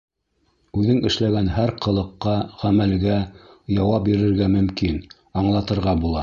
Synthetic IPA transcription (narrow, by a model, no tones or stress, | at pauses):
ʉðɘŋɘ̆ʃlæɡænɦæɾqɤ̆lˠɤ̆qːɑʁæmælɡæjɑwɑp̚biɾɘ̆ɾɡæmɵ̆mkin | ɑɴlˠɑt̪ɤ̆ɾʁɑbulˠɑ